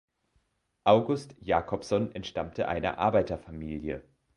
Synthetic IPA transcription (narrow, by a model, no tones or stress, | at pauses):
ʔaʊɡʊstjaːkʰɔfsɔnɛntʃtamtʰəʔa̰ɪnə̰ʔa̰ɐbaɪtɐfamiːljə̰